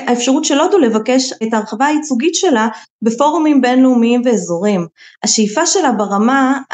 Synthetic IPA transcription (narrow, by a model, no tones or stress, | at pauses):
ʔaefʃaʁutʃelo̞dule̞vake̞ʃetaːʁχavaait͡suɡitʃe̞labe̞fo̞ʁomimbe̞nleumiimveːzo̞ʁimaʃejfaʃe̞labaʁama